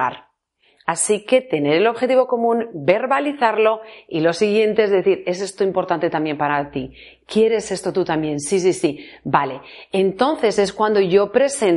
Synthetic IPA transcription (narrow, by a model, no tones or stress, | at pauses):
a̰ɾ | asike̞t̪e̞ne̞ɾe̞lo̞βxe̞t̪iβo̞ko̞mũnbe̞ɾβaliθaɾlo̞ilo̞siɣje̞nt̪eezðe̞θiɾe̞s̬e̞st̪oimpo̞ɾt̪ant̪e̞t̪amje̞mpaɾat̪i | kje̞ɾe̞se̞st̪o̞t̪ut̪ambje̞nsis̬isibale̞ent̪o̞nθe̞se̞skwand̪o̞ʝo̞pɾe̞sen